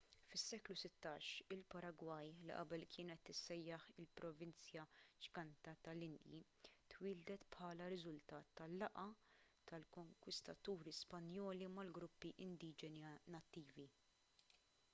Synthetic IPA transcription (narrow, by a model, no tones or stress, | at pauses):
fɪsːɛːklusɪt̪ːɐːʃɪlpɐɾɐɡwɐjlḭʔɐ̰bɛlkʰɪːnɛt̪ːɪsːɛjːɐħɪlpɾɔvɪnt͡sjɐd͡ʒɡɐnt̪ɐt̪ɐlɪnd̪jḭ | t̪wɪːld̪ɛt̪pħɐːlɐɾɪzʊlt̪ɐːt̪ːɐlːɐʔɐt̪ɐlkɔŋkwɪst̪ɐt̪uːɾispɐnjɔːlimɐlɡɾʊpːiʔɪnd̪iːd͡ʒɛnnɐt̪ːiːvi